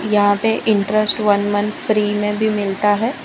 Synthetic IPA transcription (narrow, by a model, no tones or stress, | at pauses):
jɐɦãpeʔɪ̃ɳʈɾəsʈʋɐnmɐ̃nfɾiːmẽbʱimɪlt̪aɦɛː